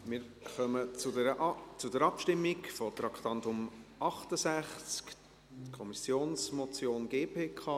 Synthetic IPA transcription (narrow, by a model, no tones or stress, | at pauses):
mɪːɾχœməʊɛt͡sʊdɛɾɑpʃtɪmːikfɔt̪ɾɑkχt̪ɑntʊmɑχtəsæχt͡sk | tkʰɔmisjoːnsmɔt͡sjoːnɡeːpʰeːkʰɑ